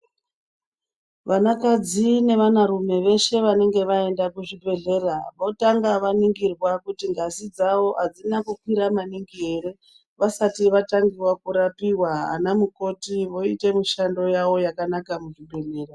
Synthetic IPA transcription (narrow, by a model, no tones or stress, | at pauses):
ʋanakad͡zine̞ʋanaɾume̞ʋe̞ʃe̞ʋane̞ŋɡe̞ʋae̞ndakuʐibʱe̞ɮe̞ːraʋo̞taŋɡaʋaniŋɡirwakutiŋɡasid͡zaʋo̞ɦad͡zinakukwiɾamaniŋɡieɾe̞ | ʋasatiʋataŋɡiwakuɾapiwaa̰namuko̞tiʋo̞ite̞muʃando̞jawo̞jakanakamuʐibʱe̞ɮe̞ːra